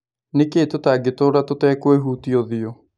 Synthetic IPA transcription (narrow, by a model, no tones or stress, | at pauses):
neketotaɡetoːɾatotɛːkweɦuːtiɔðiɔ